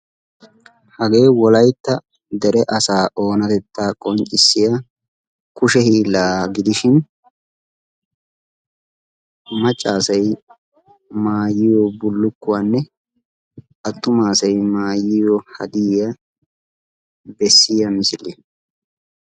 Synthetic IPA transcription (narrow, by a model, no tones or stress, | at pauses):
hɐɡe̞ːwɔlɐjt̪ːɐ | d̪ɛɾɛʔɐsaːʔo̞ːnɐt̪ɛt̪ːaːkʼɔnt͡ʃʼːɪsːɪjɐ | kʊʃɛhiːlaːɡɪd̪ɪʃɪn | mɐt͡ʃʼːaːsɐj | maːjɪjoːbʊlːʊkːʊwanːɛ | ʔɐt̪ːʊmaːsɐjmaːjɪjoːhɐ̰d̪ɪːjɐ | bɛsːɪjɐmɪsɪlːi